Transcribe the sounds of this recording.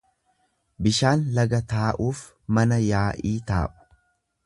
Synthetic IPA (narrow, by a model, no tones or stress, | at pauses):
bɪʃaːnlɐɡɐt̪aːʔuːf | mɐnɐjaːʔiːt̪a̰ːʔʊ̥